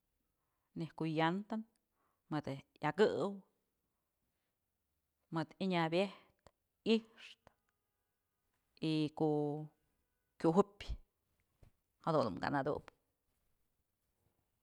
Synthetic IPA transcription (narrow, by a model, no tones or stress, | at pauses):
nehkuʔjant̪an | mɨd̪jaɡɨʔw | mɨd̪iɲabjeht̪ | ihʂt̪ | ikoʔ | kʲuɦupʲ | had̪unmɡa̰nad̪ṵʔp